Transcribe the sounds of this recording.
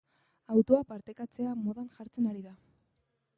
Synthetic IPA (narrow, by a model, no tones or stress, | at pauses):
awt̪oapaɾt̪e̞kat͡se̞amo̞ðanʝaɾt͡se̞naɾiða